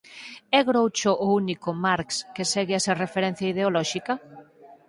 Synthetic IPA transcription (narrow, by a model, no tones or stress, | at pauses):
ɛɣɾowt͡ʃoʔounikʊmaɾkskesɛɣɪaserefeɾɛn̟θjaið̞eolɔʃikɐ